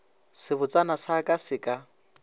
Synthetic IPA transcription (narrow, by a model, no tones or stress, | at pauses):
sɪbʊt͡sʼanasakʼasɪkʼa